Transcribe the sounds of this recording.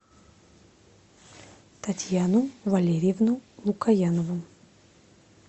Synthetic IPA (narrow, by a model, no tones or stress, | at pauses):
t̪ɐtʲjanuvɐlʲeɾʲɪjevnulˠukɐjanəvu